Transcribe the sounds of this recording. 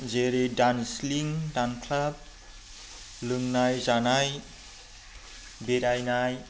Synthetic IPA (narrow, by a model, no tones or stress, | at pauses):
zeɾedansliŋdankʰlab̚ | lɯŋnajzanaj | beɾajnaj